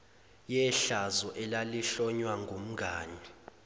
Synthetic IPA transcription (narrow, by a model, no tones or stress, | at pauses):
jɛɬazɔʔɛlaliɬɔɲwaŋɡʱum̩ɡʱaːni